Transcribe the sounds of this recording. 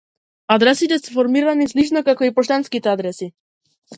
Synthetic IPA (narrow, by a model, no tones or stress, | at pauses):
ad̪ɾɛsit̪ɛsɛfɔɾmiɾanislit͡ʃnɔkakɔipɔʃt̪anskit̪ɛad̪ɾɛsi